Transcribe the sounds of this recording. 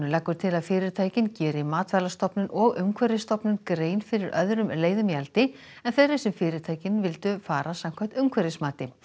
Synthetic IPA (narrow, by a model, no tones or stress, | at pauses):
nʏlɛkvʏɾ̥t̪ʰɪlaðfɪːɾɪɾ̥t̪ʰaːjcɪncɛːɾɪmaːt̪vɛlast̪ɔpnʏnʔɔɣʏmkʰvɛɾɪst̪ɔpnʏnkɾeːjnfɪɾɪɾœðɾʏmleːjðʏmjalt̪ɪ | ɛnθeɾɪsɛmfɪːɾɪɾt̪ʰaːjcɪnvɪlt̪ʏfaːɾasam̥kʰvaht̪ʏmkʰvɛɾɪsmaːt̪ɪ